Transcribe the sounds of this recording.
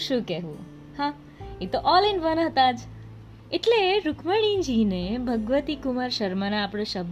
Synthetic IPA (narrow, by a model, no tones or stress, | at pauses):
ʃũkɛɦṵ̃ | hã | et̪oʔɔlenʋənɦət̪ad͡ʒ | eʈleɾukʰməɽ̃ind͡ʒinebʱəɡʋət̪ikumaɾʃəɾmanaːpɽ̃eʃəb